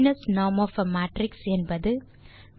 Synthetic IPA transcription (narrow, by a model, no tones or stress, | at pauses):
nɐsnaːmoːfɐmaːʈrɪksɛnbɐðɯ